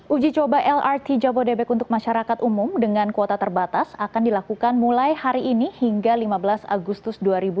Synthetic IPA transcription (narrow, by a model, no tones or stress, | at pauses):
ʔud͡ʒit͡ʃobaʔɛlart̪id͡ʒabodɛbɛkunt̪ʊk̚maʃaɾakat̪umʊmdəŋankot̪at̪ərbat̪asakandilakukanmulajhaɾiʔːnihiŋɡalimabəlasa̰ɡust̪ʊsduaɾibu